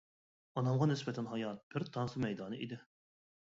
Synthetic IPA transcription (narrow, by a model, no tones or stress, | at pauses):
ɑnɑmʁɑnɪsbɛt̪ʰɛnɦɑjɑt̪̚b̥ɪɾt̪ʰɑnsɨmɛjd̪ɑːnɨʔid̪ɪ